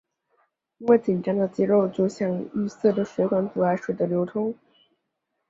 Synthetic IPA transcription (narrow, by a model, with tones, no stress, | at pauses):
i˥nwe˥˩ɪt͡ɕi˨˩nʈ͡ʂɑ˥ŋd̪ə˨t͡ɕɛ˥ɻo˥˩ʊt͡ɕjo˥˧ʊɕjɑ˥˧ŋy˥˧sɤ˥˩də˨˩ʂwe˧˥ɪkwa˧˥npu˨˩a˥ɪʂwe˨˩d̪ə˦ljo˧˥ʊt̪ʰʊ˥ŋ